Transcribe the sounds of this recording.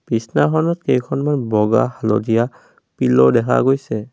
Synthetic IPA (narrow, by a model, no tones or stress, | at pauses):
pisnaxɔnɔtkejkʰɔnmanbɔɡa̰halɔ̰dija | pilɔdɛkʰa̰ɡojsɛ